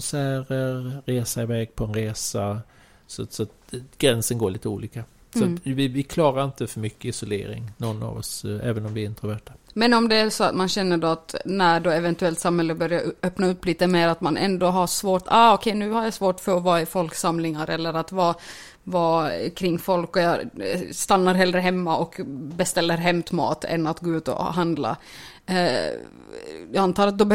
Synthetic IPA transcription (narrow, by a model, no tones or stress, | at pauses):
nsæːɾəɾɾeːsaɪvɛːɡ̚pʰɔɛnɾeːsa | sɔsɔat̪̚ɡ̥ɾɛnsənɡoːɭiːt̪əṵːliːka | sɔat̪vɪvɪkʰlɑːɾaɾɪnt̪əfœɾmʏkːəɪsɔlḛːɾɪ̰ŋnɔnːa̰vɔ̰sɛ̰ːvənɔmvɪɾɪnt̪əɾɔɾvæʈːḁmɛnɔmd̪ɛæʂɔa̰t̪manɕɛnːəɖoat̪næɖoːɛvɛnt̪ɵɛlt̪samhɛlːəbœɾjaœpnaɵpːliːt̪əmeːɾat̪manʔɛ̰nd̪oɦaʂvoːʈaːɔkʰɛjnʉ̟ːhaɾjasvoːʈfœɾɔvɑːɪfɔlksamlɪŋaɾɛlːəɾat̪vɑː | vɑːkʰɾɪŋːfɔlkɔjɑst̪anːaɾɦɛld̪ɾəɦɛmːaʔɔkbɛst̪ɛlːəɾɦɛmt̪mɑ̰ːt̪ɛ̰nat̪ɡoːʉːt̪ɔ̰ɦand̪la̰ | jant̪ʰɑːɾat̪̚d̪ɔb